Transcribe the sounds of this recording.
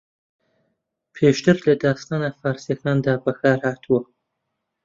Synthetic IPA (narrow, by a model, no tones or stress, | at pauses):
pʰeːʃt̪ɨɾlɐd̪ɑːst̪ɑːnafɑːɾsijɐkɑːnd̪aːbɐkɑːɾhɑːt̪ʰuwɐ